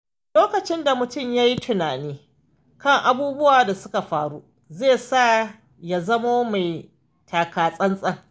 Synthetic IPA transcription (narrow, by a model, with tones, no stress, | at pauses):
loː˦kɐ˨t͡ʃɪ˦nda˨mʊ˨tʊ˦˨mjaː˦ji˦tʰʊ˨naː˨niː˦ | kɐ˦ŋʔa˦buː˦bʊ˦waː˨da˨sʊ˦ka˨ɸaː˦ɽu˦ | zeː˦˨saː˦ | ja˦zɐ˦ma˦ma˨j | tʰaː˨kaː˨sʼɐ˦nsʼɐ˦ŋ